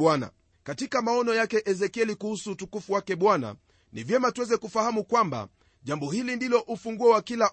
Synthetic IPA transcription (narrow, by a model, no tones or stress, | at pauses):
wana̰ | katikamaɔnɔjakɛʔɛzɛkiɛlikuhusuːtukufuwakɛɓwana̰ | nivjɛmatuwɛzɛkufahamukwamba̰ | ʄambɔhilindilɔʔufuŋɡuɛwakila